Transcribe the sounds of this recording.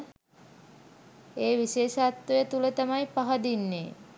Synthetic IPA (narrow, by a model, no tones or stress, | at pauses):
eːʋiʃeːʃat̪ʋɐjət̪ulət̪amajpaɦɐd̪inːeː